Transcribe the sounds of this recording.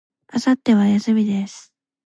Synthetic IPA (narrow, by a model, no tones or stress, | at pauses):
asat̪ːe̞βajasɨmʲid̪e̞sɨ̥